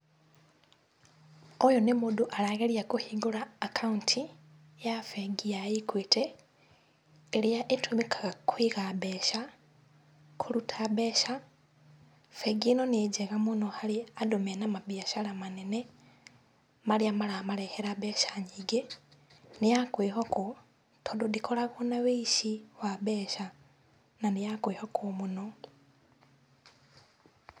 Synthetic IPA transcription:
ojonemuduʔalaɣeljakuhiɡulaːkʰauntʰi | jafeɡijajikwiːte | liaʔetumikʰakʰwiɣabeʃa | kʰulutʰaβeʃa | feɡinonid͡ʒeɣamunohaliadomenamabiaʃalamanene | maliamalaːmaleheɾabeʃaɲiɡe | nijakwiːhoku | tʰododikʰolaβonawiʃiwaβeːʃa | nanijakwihokʰumuno

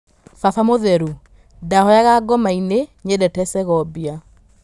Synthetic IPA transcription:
fafamoðɛɾu | dahɔjaɣaɡɔmaineɲedɛtɛsɛɣɔbia

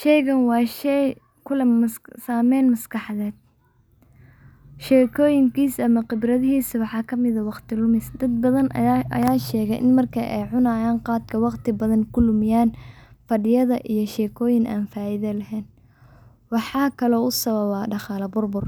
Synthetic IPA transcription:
ʃɛjɣɐnwɑːʃɛ | kʰʊlɐɐssaːmɛjnmɐskɑħðɛːd̪̚ | ʃɛːkʰɔːjɪŋkʰiːsɐmɐqɪbrɐðɪhiːsɐwɑħɑːkʰɐmɪðɐwɑqt̪ʰɪlʊmɪsd̪ɐd̪̚bɐðɐnɐ̰jaːʃɛːɣɛjʔɪ̰nmɐrkʰɐʔɛ̰jʕʊnaːjaːnqɑːd̪kʰɐwɑqt̪ʰɪbɐðɐnkʰʊlʊmɪjaːnfɐɖɪjɐðɐʔijɞʃɛːkʰɔːjɪŋa̰ːnfaːjɪðɐlɐɦɛːn | wɑħɑːkʰɐlɔːʊsɐβɐβaːɖɑχɑːlɐbʊrbʊr

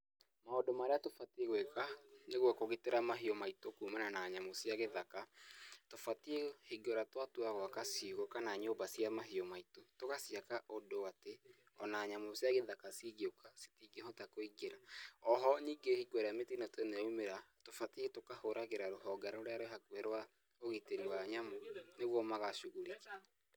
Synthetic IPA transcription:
maodomaɾeatofatieɣwekaneɣwakoɣeteɾamaɦiɔmaitokumananaɲamosjaɣeðakatofatiehiɡɔɾatwatuaɣwakasiɣokanaɲobasiamaɦiɔmaitotokasiakaʔodoate | ɔnaɲamosjaɣeðakasiɣeokase̥tiɡehɔtakoiɡeɾaɔɦɔniːɡehiɡɔɾeametinatwenɛumeɾatofatietokahoɾaɣeɾaɾoɦɔɡaɾoɾeaɾoɦakwɛɾwa | oɣeteɾiwaɲamoneɣwɔmaɣaʃuɣuɾik

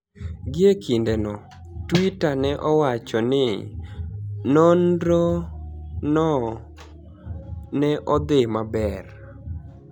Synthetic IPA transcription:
ɡɪekʰindenɔ | twitanɛʔɔwat͡ʃɔnɪ | nondɾo | nɔ | nɛʔɔd̪ɪmabɛr

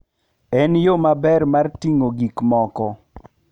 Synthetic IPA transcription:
ɛnjomabɛrmartiŋoɡikmɔkɔ

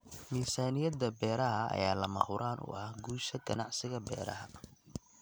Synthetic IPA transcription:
miːsaːnɪjɐd̪ɐbɛːɾɐɦɐ̰ːjaːlɐmɐ̰ʔʊɾʔaːnʔʊ̰ʔɐhɡuːʃɐɡɐnɑʕsɪɣɐbɛ̰ːɾɐ̰ɦɐ

